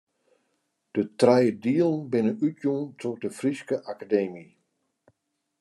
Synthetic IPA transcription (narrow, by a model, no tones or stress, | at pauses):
d̥ətrɛjədiəlˠnbɪnəʔytjuntʰɔdəfriskəʔakadeːmi